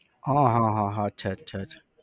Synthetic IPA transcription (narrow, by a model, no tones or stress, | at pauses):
ɦãːɦãːɦãɦãɐtːʃʰaɐtːʃʰatːʰḁ